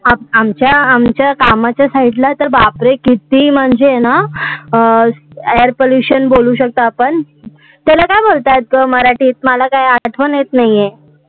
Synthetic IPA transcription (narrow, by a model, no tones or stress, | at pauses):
aamt͡ɕjaːmt͡ɕjakamat͡ɕjasaɦiʈlat̪əɾbapɾekit̪im̤əɳd͡zena | aəɾpoljuɕənboluɕək̚t̪aːpəɳ | t̪alakajbolt̪at̪̚ɡəməɾaʈiːt̪̚məlakajaʈʰʋənjet̪naje